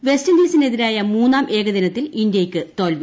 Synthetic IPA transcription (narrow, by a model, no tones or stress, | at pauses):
ʋe̞stɐnd̪iːsineðiɾaːjɐmuːnːaːmʔe̞ːɡɐðɐnɐt̪ːilind̪jɐjkʲːɨt̪o̞ːlʋi